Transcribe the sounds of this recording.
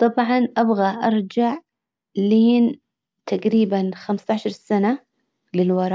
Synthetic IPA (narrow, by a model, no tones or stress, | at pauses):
t̪ˤɑbʕɑnʔabɣaʔɑɾˤd͡ʒaʕ | liːn | t̪ʰaqɾiːbanxamst̪aʕʃɑɾˤsana | lɪlwɑɾˤɑː